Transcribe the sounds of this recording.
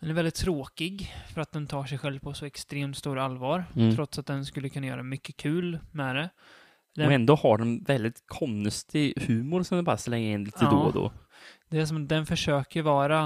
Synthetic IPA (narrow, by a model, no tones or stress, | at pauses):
d̪ɛnæɾvɛld̪ɪt̪t̪ʰːɾoːkɪɡfœɾat̪̚d̪ɛnt̪ʰɑːʂɛjɧɛlvpʰɔsɔɛkst̪ɾeːmt̪st̪uːɾalvɑːɾt̪ːʰɾɔt̪sat̪̚d̪ɛnskɵlːəkʰɵnːajœ̰ːɾaɛmʏkːəkʰʉ̟ːlmɛd̪ɛ | d̪ɛɛnd̪oːhaɖɛnvɛld̪ɪt̪kʰɔnst̪ʰɪhʉ̟ːmʊɾsɔmd̪ɛpa̰ɾsəlɛŋːɾəɪnliːt̪ːəoːd̪o̰ː | d̪ɛæʂ̬ɔmat̪d̪ɛnfœʂøːkəvɑːɾa